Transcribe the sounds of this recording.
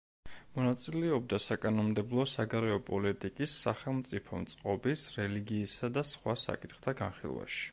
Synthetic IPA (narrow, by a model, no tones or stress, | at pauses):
mɔnat̪sʼilɛɔb̚d̪asakʼanɔmd̪ɛblˠɔsaɡaɾɛɔpʼɔlit̪ʼikʼisːaχɛlˠmt̪sʼipʰɔmt̪sʼqʼɔbisɾɛliɡiːsad̪asχwasa̰kʼit̪ʰχt̪ʰaɡanχḭlˠwa̰ʃi̥